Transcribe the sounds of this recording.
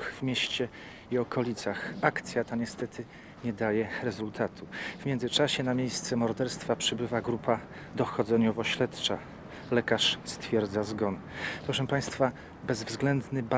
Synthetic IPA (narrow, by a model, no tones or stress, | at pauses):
vmʲjeɕt͡ɕɛ | iɔkʰɔlʲit̪saxakt̪sʲjat̪aɲɛst̪ɛt̪ʰɘ | ɲɛd̪ajɛɾɛzult̪ʰat̪ʰuvmʲjɛnd̪zɘt͡ʂaɕɛnamʲjejst̪sɛmɔɾd̪ɛɾst̪fapʂɘbɘvaɡɾupʰa | d̪ɔxɔd̪zɛɲɔvɔɕlɛt̪t͡ʂa | lɛkaʂst̪fʲjɛɾd̪zazɡɔn | pɾɔʂɛmpaj̃st̪fa | bɛzvzɡlɛnd̪nɘba